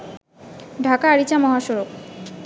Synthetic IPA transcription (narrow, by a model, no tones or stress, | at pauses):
ɖʱakaaɾit͡ɕamɔɦaʃɔɾok